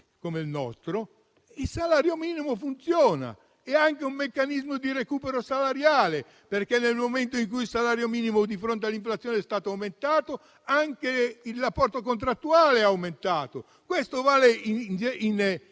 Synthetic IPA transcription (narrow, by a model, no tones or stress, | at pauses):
komeilnɔ̰st̪ɾo | ilsalaːɾjomiːnimofunt̪sjɔːna̰ | ɛaŋkeumːekːanizmod̪iɾekuːpeɾosalaɾjaːle | perkenːelmoment̪̬oiŋk̬ujilsalaːɾjomiːnimod̪ifɾont̪̬ealːiɱflat̪sːjɔːnɛst̪aːt̪oawment̪aːt̪o | aŋkeilrapːɔrt̪ok̬ont̪̬ɾat̪ːuaːleaawment̪aːt̪o | kwest̪ovaːleind͡ʒin